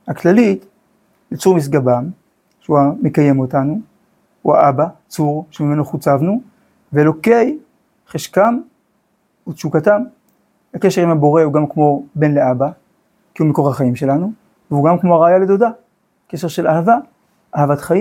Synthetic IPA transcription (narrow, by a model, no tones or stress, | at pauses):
haklalit | lit͡suʁmis̬ɡabam | ʃeuame̞kaje̞mo̞tanu | hua̰ʔabat͡suʁʃemime̞noχut͡savnu | velo̞ke̞j | χeʃkam | utʃukatam | hake̞ʃe̞ʁimabo̞ʁe̞huɡamkmo̞be̞nleʔaba | kiumiko̞ʁhaχaimʃe̞lanu | vehuɡamkmoaʁaajaledoda | ke̞ʃeʁʃe̞lahava | ʔahavatχaji